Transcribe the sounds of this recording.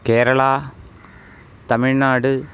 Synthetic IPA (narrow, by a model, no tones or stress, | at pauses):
keːɾɐɭaː | t̪ɐmɪɻnaːɽɯ